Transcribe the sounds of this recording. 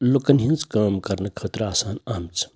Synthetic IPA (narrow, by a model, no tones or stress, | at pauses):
lokɐnɦint͡skamkɐɾnɐkʰət̪ɾaːsaːnaːmt͡sʰ